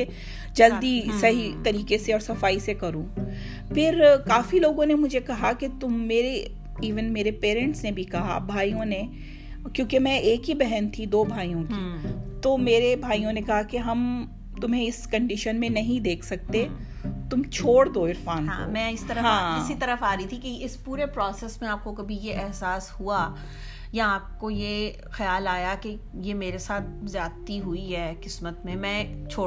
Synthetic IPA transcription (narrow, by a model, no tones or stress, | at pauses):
e | d͡ʒɐld̪isɐɦit̪ɐɾiːkeseɔːɾsɐfaːisekɐɾũː | pʰɪɾkaːfiloːɡõnemʊd͡ʒʱekɐɦaket̪ʊmːeːɾe | iːʋənmeːɾepeːɾɛ̃ɳʈsnebʱikɐɦa̰bʱaːijõne | kjõːkemɛ̃ʔeːkɦibɛɦɛnt̪ʰid̪oːbʱaːijõkit̪oːmeːɾebʱaːijõnekɐɦakeɦɐm | t̪ʊmẽɪskɐ̃ɳɖɪʃənmẽnɐɦĩd̪eːkʰsɐk̚t̪e | t̪ʊmt͡ʃʰoːɽd̪oɪɾfaːnɦakõmɛ̃ːɪsit̪ɐɾəɦãːɪsit̪ɐɾəfaːɾɐit̪ʰikeɪspuːɾepɾɔːseːsmẽaːp̚kokɐbʱijeʔɛɦsaːshua | jaaːp̚koje | xɐjaːlaːjake | jemeːɾesaːt̪̚ʰzjaːt̪iɦuiɦɛːkɪsmət̪mẽmɛ̃ːt͡ʃʰoː